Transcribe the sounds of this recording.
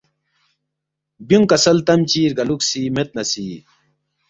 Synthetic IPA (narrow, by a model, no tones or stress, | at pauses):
buŋkɐsɐlt̪ɐmt͡ɕiːɾɡɐluksiːmet̪̚nɐsi